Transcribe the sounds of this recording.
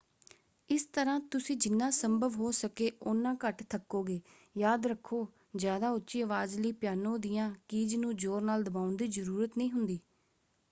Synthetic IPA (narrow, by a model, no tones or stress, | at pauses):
ɪst̪əɾãːt̪ʊsĩːd͡ʒɪnːãːsəmbəʋɦoːsəkeːʔonːãːkəʈt̪ʰəkːoːɡeː | jaːd̪ɾəkʰːoː | zjaːd̪aːʊtːʃiːəʋaːzləiːpɪjaːnõːd̪ɪjãːkiːd͡ʒnũːd͡ʒoːɾnaːld̪əbaːʊnd̪iːzəɾuːɾət̪nĩːɦʊnd̪iː